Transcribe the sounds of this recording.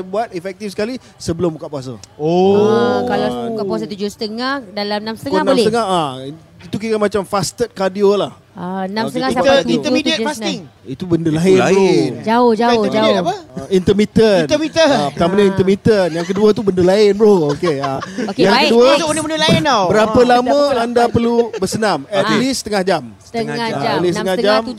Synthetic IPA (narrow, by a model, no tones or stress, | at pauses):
əbuat̪̚efɛk̚t̪ifsə̥kali | səbəlʊmbukaʔpuas̬əokalabukapuasat̪ud͡ʒusə̥t̪əŋahdalamnamsət̪ənãmlst̪əŋaa | it̪uk̬ikamat͡ʃamfast̪ət̪̚kadiolah | anãmst̪əŋaisaəint̪əmid̪iəfasɪŋit̪ubəndəlaɪnond͡ʒaʊhd͡ʒaʊd͡ʒaapəint̪əmit̪ənəmit̪əpət̪amanaint̪əmit̪ənjaŋkəduat̪ubəndəlaɪnbəɾookeajaŋkəduəonɪbəndəlaɪnobəɾapəlaməandapərlubəsənamɛtt̪lisət̪əŋahd͡ʒam | olistəŋad͡ʒam